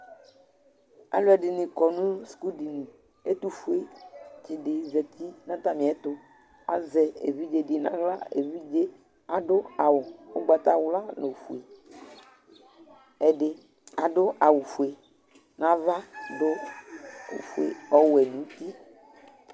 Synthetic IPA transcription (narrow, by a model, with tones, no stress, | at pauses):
a̰˨lʊ˦ɛ˨ɖɪ˨nĩ˨kɔ˨nũ˦su̥˨ku˦di˨nĩ˨ | e˦t̪u˦fu˦e˦t͡ʃi˨ɖɪ˨zɛ˨t̪ʰi˦nã˦t̪a˦mĩ˨ɛ˦t̪ʊ˦ | a̰˨zɛ˨ḛ˨vi˦d͡ʒe˨dɪ˨nã̰˦ɣla˦ḛ˨vi˦d͡ʒe˦ | a˨ɖʊ˦a˨wʊ˨o˦ɡ͡ba˨t̪a˦wla˦no˨fu˨e˨ | ɛ˨ɖɪ˦ | a˨ɖʊ˦ʔa˨wu˨fu˨e˨ | nã˦va˦dʊ̰˦˨ | fḛ˨ɔ˦wwɛ˨nũ˨˦t̪i˦